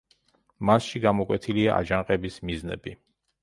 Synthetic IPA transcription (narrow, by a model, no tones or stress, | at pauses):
masʃiɡamɔkʼwɛt̪ʰiliaʔa̰d͡ʒaŋqʼɛbismiznɛ̰bi